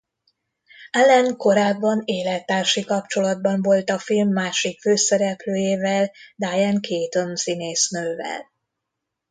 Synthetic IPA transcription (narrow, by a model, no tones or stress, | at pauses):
ɛlɛŋko̞ɾaːbːɒneːlɛt̪ːaːrʃikɒp̚t͡ʃo̞lɒd̪̚bɒɱvo̞lt̪ɒfilmːaːʃikføːsɛɾɛpløːjeːvɛld̪aːjɛŋkʰeːt̪o̞nsineːsnøːvɛ̰l